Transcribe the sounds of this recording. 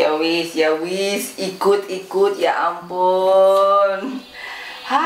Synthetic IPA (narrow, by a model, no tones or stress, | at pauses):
jawisjawisikʊt̪ikut̪jaʔampʊ | n | ha